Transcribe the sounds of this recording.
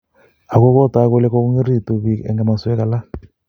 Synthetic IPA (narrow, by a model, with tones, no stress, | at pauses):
a˨kɔ˦kɔ˦ta˨˦ko˦lɛ˦kɔ˦ku˦ŋi˦ɾi˦˨tu˨βi˨ɛ̰˨ŋɡa˨ma˨swɛ˦ka˨la˦